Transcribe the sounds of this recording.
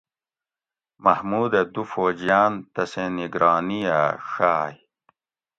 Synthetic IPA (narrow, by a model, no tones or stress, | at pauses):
mɐhmuːd̪ɐd̪ufoːd͡ʑijaːnt̪ɐsẽniɡɾaːnijaʂaːj